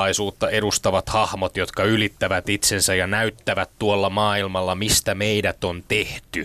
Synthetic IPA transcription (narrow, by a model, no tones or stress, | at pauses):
ɑisuːt̪ːɑe̞ɾust̪ɑʋɑt̪hɑhmot̪jo̞t̪kɑylit̪ːæʋæt̪it̪sensæjɑnæyt̪ːæʋæt̪tuolːɑmɑːilmɑlːɑmist̪æmeidæt̪ont̪eht̪y